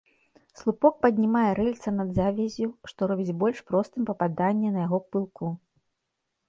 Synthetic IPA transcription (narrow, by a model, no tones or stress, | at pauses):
slˠupɔk̚pɐd̪ʲnʲimajɛɾɛlʲt̪sɐnɐd̪zavʲɛzʲuʂt̪ɔɾɔbʲit͡sʲbɔlʲʂpɾɔst̪ɨmpɐpad̪anʲːɛnɐjaɣɔpɨlˠkʰu